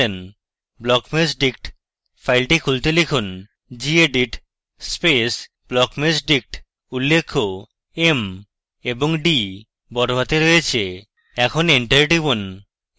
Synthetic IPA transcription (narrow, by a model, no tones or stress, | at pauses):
en | blɔkmesɖik̚ʈ | fʰajlʈikʰult̪elekʰun | d͡ʑieɖiʈ | spes | b̥lɔkmesɖik̚ʈ | ulːekʰːo | em | eboŋɖi | bɔɾobʱat̪eɾojet͡ɕʰe | ɛkʰoniɳʈəɾʈibon